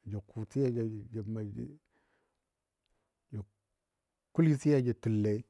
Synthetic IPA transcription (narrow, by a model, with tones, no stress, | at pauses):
d͡ʒa˨kʰu˨ti˦ja˦d͡ʒa˨d͡ʒa˨ma˨˦ | d͡ʒa˨ | ku˦li˦si˦ja˦d͡ʒe˨tu˨lːe˨˦